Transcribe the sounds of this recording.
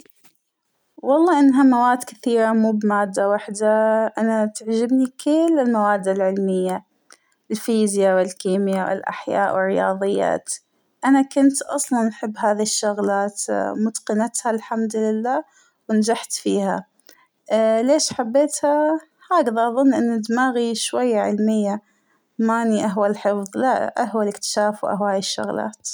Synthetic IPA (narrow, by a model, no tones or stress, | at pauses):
wɑlˤːɑːʔɪnːɦamawaːd̪kɪθiːɾamuːbmaːd̪ːawaħd̪aʔanat̪ɪʕd͡ʒɪbnikʰɪlːɪlmawaːd̪ːalʕɪlmɪjːa | ɪlfiːzjawɪlkiːmjawɪ̰lʔa̰ħja̰ːʔwɪrːɪjɑ̰ːðˤɨjːa̰ːt̪ | ʔanakʊnt̪ʔɑ̰sˤlɑnħɪbːɦaːðiʃːʊɣlaːt̪mʊd̪qɪnat̪halħamd̪lɪlːaː | wɪnad͡ʒaħt̪fiːha | leːʃħabːeːt̪ha | haːɡaðaʔɑðˤʊnːʔɪnːɪd̪maːɣiʃwajːaʕɪ̰lmɪjːa | maniʔaɦwalħɪfðˤla̰ʔahwalɪkt̪ɪ̥ʃaːfwʔa̰ɦwhaːjɪʃːʊ̰ɣla̰ːt̪